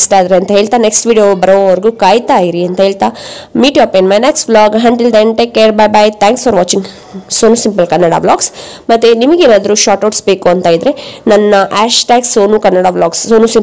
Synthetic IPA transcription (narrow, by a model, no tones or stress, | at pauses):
sʈaːd̪ɾeɐnt̪ɐɦe̞ːɭt̪aːneksʈʋiːɖijobɐɾoʋʋɐɾɡuːkaːjt̪aːjiɾiɐnt̪ɐɦeːɭt̪aːmiːʈjaːpenmɐjneksʈblaːɡɦɐɳʈild̪eɳʈeːkːeːɾbajbajt̪ʰãːŋksfɔːɾʋaːt͡ʃĩŋɡ | soːnusimpɐlkɐnːɐɽa̰ːblaːɡsmɐt̪ːenimɐɡeːnaːd̪ɐɾuʃaːʈoːʈsbe̞ːkuɐnt̪aːjid̪ɾe̞nɐnːɐʔaːʃʈaːɡsoːnukɐnːɐɽaːblaːɡsoːnusim